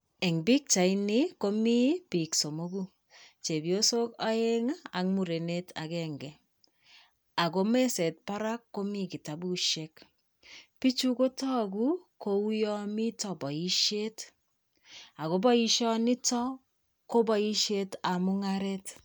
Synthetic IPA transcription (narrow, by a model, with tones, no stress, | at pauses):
ɛ˨ŋbi˦k̚t͡ʃa˨ini˦ko˦mi˦pi˨kso˨mo˦ɡu˦ | t͡ʃe˨bjo˦so˦ka˦e˦ŋaa˨ŋmu˨ɾe˨ne˦tʰa̰˨kɛŋɡɛ˨ | a˨ko˦me˦sɛ˨t̚pa˦ɾa˦kːo˦mi˦ki˨ta˨bu˦ʃe˦k | pi˦t͡ʃu˦ko˦tɔ˦ku˦ko˨u˦jɔ˦mi˦tɔ˨bɔ˨i˦ʃe˦t | a˨ko˨˦bɔ˦iʃɔ˦ni˦tɔ˦ | ko˦bɔ˦i˦ʃe˦ta˨mu˦ŋaɾe˦t